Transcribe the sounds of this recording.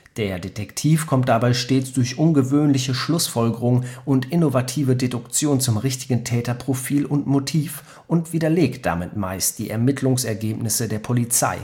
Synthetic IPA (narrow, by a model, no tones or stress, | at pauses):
d̥eːɐdetʰɛktʰiːfkʰɔmt̚d̥abaɪʃteːt͡sd̥ʊɐçʔʊnɡəvøːnlɪçəʃlʊsfɔlɡəʁʊŋənʔʊntʔɪnovatʰiːvədedʊkt͡sjoːnt͡sʊmʁɪçtɪɡn̩tʰɛːtɐpʁ̥ofiːlʊntmotʰiːf | ʔʊntv̥iːdɐleːktd̥a̰mɪtma̰ɪstd̥iːʔɛɐmɪtʰlʊŋsɛɐɡeːpnɪsədeːɐpʰolit͡sa̰ɪ